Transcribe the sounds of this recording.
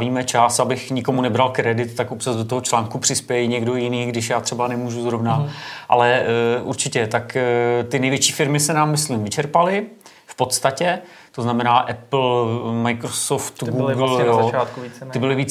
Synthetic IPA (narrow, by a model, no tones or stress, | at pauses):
viːmɛt͡ʃasabɪxɲɪko̞munɛbɾalkɾɛdɪt̪t̪ːakopt͡ʃazdot̪oɦo̞t͡ʃlaːŋkupr̝̥ɪspjɛɛɪɲɛɡdo̞jɪniːɡdɪʃ̬jaːt̪r̥ɛbanɛmuːʒuzɾo̞vnaʔa̰lɛʔuɾt͡ʃɪcɛt̪akt̪ɪnɛjvjɛt͡ʃiːfɪɾmɪsɛnaːmːɪslimvɪt͡ʃɛɾpalɪ | fpo̞t̪st̪acɛ | t̪oznamɛnaːʔɛpl̩majkɾosoft̪ɡuːɡljoaːt̪kuiɪbɪlɪviːt͡s